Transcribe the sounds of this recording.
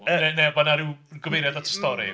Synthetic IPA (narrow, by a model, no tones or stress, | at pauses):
ənɛnɛbanaɾɪwɡɔvejɾɛdatʰə̥stɔɾḭ